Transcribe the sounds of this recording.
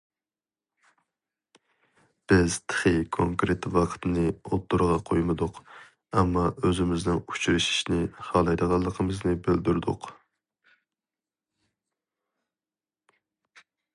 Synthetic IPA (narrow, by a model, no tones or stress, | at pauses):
b̥ɪz̥t̪ʰə̥χɨkʰoŋkɾet̪wɑqʰə̥t̪ɨnɨot̪ːuɾʁɑqʰojmɨd̪ʊq | ɛmːɑøzɪmɪznɪŋu̥t͡ʃɾɨʃi̥ʃnɪχɑlˠɑjd̪əʁɑlˠːəqʰəmɨznɨbeld̪yɾd̪ʊq